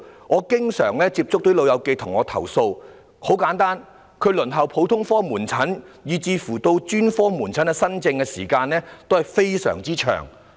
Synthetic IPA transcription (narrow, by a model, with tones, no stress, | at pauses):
ŋɔː˨˧kɪ˥ŋsœ̰ː˨˩ŋlɛː˥t͡siː˧p̚t͡sʊ˥k̚t̪o˨˥jlo˨˧wjɐ˨˧wke˧jt̪ʰʊ˨˩ŋɔː˨˧t̪ʰɐ̰˨˩wso˧w | ho˨˥wkaː˨˥nt̪aː˥n | kʰɵ˨˧ɥlɵ˨˩nɦɐ˨˩wpʰo˨˥wt̪ʰʊ˥ŋfɔː˥muː˨˩nt͡sʰɐ˨˥njiː˨t͡siː˧fuː˨˩t̪o˧wt͡ʃyː˥nfɔː˥muː˨˩nt͡sʰɐ˨˥nkɛ˧sɐ˥nt͡sɪ˧ŋkɛː˧siː˨˩kaː˧nlɛː˥t̪o˥whɐ˨˩jfe˥jsœ̰ː˨˩ŋt͡siː˥t͡ʃʰœ̰ː˨˩ŋ